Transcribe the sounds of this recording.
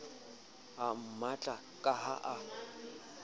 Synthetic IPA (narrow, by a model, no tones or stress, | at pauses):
am̩mat͡ɬʼa | kʼaɦa̰ʔa